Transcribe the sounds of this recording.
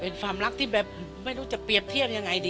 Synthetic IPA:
pe˧nfa˧mla˦˥k̚t̪ʰiː˥˩bɛː˨˩p̚ːma˥˩jɾuː˦˥t͡ɕa˨˩pɾi˨˩əp̚t̪ʰi˥˩əp̚ja˧ŋːa˧jdiː˧

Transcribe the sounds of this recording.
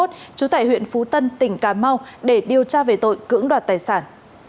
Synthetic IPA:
t̚t͡ɕu˨˦t̪aː˧˩jhwḭ˧˨ənfu˨˦t̪ə˧nt̪ï˧˩ŋ̟kaː˨˩ma˧wɗe˧˩ɗi˨˩əwt͡ɕaː˧ve˨˩t̪o̰˧˨jkɨ̰˧˥əŋɗwaː˨˩t̚t̪aː˨˩jsaː˧˩n

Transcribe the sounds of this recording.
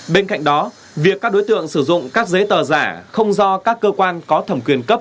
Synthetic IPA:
ɓe˧nka̰˧˨ŋ̟ɗɔ˨˦ | vi˨˩əkaː˦˥o˨˦jt̪ɨ̰˧˨əŋsɨ˧˩zʊ̰˧˨ŋ͡mkaː˦˥k̚zə˨˦jt̪əː˨˩zaː˧˩xə˧wŋ͡mzɔ˧kaː˦˥kːəː˧kwaː˧nkɔ˨˦t̪ʰə˧˩mkwi˧˩ənkə˦˥p̚

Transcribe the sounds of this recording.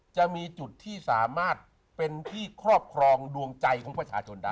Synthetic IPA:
t͡ɕa˨˩ʔmiː˧t͡ɕu˨˩t̪ʰːiː˥˩saː˩˦maː˥˩t̪̚ | pe˧nt̪ʰiː˥˩kʰɾɔː˥˩p̚kʰɾɔː˧ŋdu˧əŋt͡ɕa˧jkʰɔː˨˩˦ŋpɾa˧˩t͡ɕʰaː˧t͡ɕʰo˧ndaː˥˩

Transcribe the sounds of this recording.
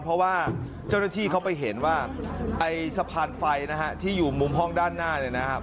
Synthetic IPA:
pʰɾɔ˦˥waː˥˩ | t͡ɕaː˥˩wnaː˥˩t̪ʰiː˥˩kʰa˦˥wpa˧jɦe˩˦nwaː˥˩ʔa˧jsa˧pʰaː˧nfa˧jna˦˥kʰa˦˥t̪ʰiː˥˩juː˨˩mu˧mɦɔ˥˩ŋdaː˥˩nːaː˥˩ni˥˩na˦˥kʰa˦˥p̚

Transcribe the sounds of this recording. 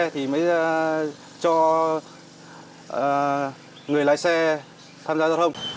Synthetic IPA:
t̪ʰi˨˩məː˨˦j | t͡ɕɔ˧˨˩ | ŋɨ˨˩əjla̰˧˨jsɛ˧ | t̪ʰaː˧mzaː˧zɔ˨˧˩thə˧wŋ͡m

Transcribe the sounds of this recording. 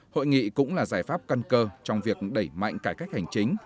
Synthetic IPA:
ho̰˧˨jŋḭ˧˨kʊ̰˧˥ŋ͡mlaː˨˩zaː˧˩jfaː˦˥p̚ka˧nkəː˧t͡ɕɔ˧wŋ͡mvi˨˩ək̚ɗə˧˩jma̰˧˨jŋ̟kaː˧˩kaː˦˥jk̚ha˨˩jŋ̟t͡ɕï˨˦ŋ̟

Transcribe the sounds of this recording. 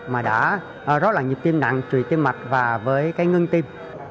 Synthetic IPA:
maː˨˩ɗa̰ː˧˥˨ | zɔ˨˦˥t̚laː˨˩ŋɲi˨˩t̪i˧mna̰˧˨ŋt͡ɕwḭ˧˨t̪i˧mma˨˩t̚vaː˨˩vəː˨˦jkaː˨˦jŋɨ˧ŋt̪i˧m

